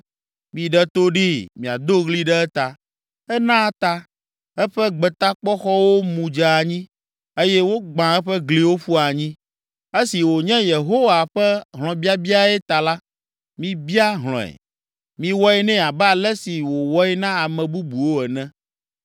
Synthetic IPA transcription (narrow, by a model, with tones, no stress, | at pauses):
mĩ˨ɖɛ˦t̪o˦ɖi˦mĩ˨a˨d̪o˦ɣli˦ɖɛ˦ɛ˦t̪a˨ | ɛ˦nã˦˨t̪a˦ | ɛ˦ɸɛ˦ɡ͡bɛ˨t̪a˦k͡pɔ˦xɔ˦wo˦mũ˨d͡ʒa˨a˨ɲĩ˦ | e˦jɛ˦wo˦ɡ͡bã˨ɛ˦ɸɛ˦ɡli˦wo˦ɸu˦a˨ɲĩ˦ | e˦si˨wo˨ɲɛ̃˦je˨ɦo˦wa˨ɸɛ˦ɦl̃ɔ̃˨bi˦a˦bi˦a˦ɛ˦t̪a˨la˦ | mĩ˦bi˦a˦ɦl̃ɔ̰̃˨ɛ̰˨ | mĩ˦wɔ˦ɛ˦nɛ̃˦a˨ba˦˨lɛ˦si˨wo˨wɔ˦ɛ˦nã˦a˨mɛ̃˨bu˦bu˨wo˦ɛ˨nɛ̃˦